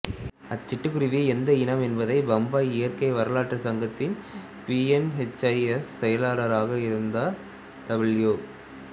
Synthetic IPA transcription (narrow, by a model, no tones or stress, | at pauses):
ɐt͡ʃːɪʈːɯkːʊɾɪʋiɛnd̪ɐɪnɐmɛnbɐðɐɪbɐmbaːɪjɐrkɐɪʋɐɾɐlaːʈːrɐsɐŋɡɐt̪ːɪn | piːɛnɦɛt͡ʃːɐɪɛssɛjɐlaːɾɐɾaːɣɐɪɾɯnd̪aː | t̪ɐbɪɭjoː